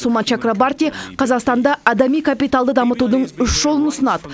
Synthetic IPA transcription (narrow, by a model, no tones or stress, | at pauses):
sulˠmɑnt͡ʃakrobart̪ijqʰɑzɑqst̪ɑnd̪ɑɑd̪ɑmijkʰapijt̪alˠd̪əd̪ɑmət̪ud̪əɴʏʃʒ̥o̞lˠənʊsənɑd̪ə